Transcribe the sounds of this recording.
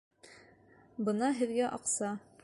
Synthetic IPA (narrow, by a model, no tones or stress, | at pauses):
bɤnɑɦɘ̆ðɡæʔɑqsɑ